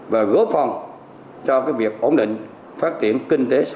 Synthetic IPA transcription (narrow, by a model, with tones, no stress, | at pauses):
vaː˨˩ɣo˨˦˥p̚fa˧wŋ͡m | t͡ɕɔ˧kaː˨˦jvi˨˩ək̚ʔo˧˩nɗḭ̈˧˨ŋ̟ | faː˦˥t̚t͡ɕḭ˧˩ənkï˧ŋt̪e˨˦s